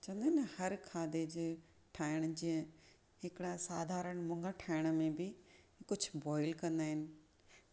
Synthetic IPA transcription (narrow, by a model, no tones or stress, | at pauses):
t͡ɕɐ̃ʋə̃nd̪nɐhɐɾkʰaːd̪ed͡ʑeː | ʈʰaːɪɽ̃d͡ʑiə̃ | ɦɪkɪɽasaːd̪ʱaːɾəɽ̃mʊ̃ŋɡəʈʰaːɪɽ̃ə̆mẽbɪ | kʊd͡ʑʱʊbɔːɪlkɐ̃nd̪aːɦɪnɪ̆